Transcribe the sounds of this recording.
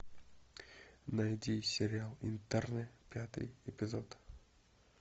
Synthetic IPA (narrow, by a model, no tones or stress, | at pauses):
nɐjd̪ʲisʲɪɾʲɪalˠɪ̰nt̪ɛrnɨpʲat̪ɨ̰jɪpʲɪzot̪